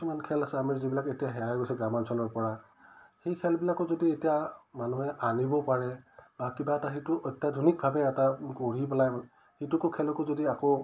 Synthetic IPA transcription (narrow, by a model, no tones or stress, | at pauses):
kisumankʰɛlasɛamiɹzibilaketijaɦɛɹajkojsɛɡɹamansɔnɔɹpɔɹa | xejkʰɛlbilakɔzodietijamanuɦɛʔanibɔpaɹɛbakibaɛtaxitʊʔɔjtjadʱɔnik̚bʱabɛːtakoɹipɛlaj | hitʊkʊkʰɛlɔkʊzodiako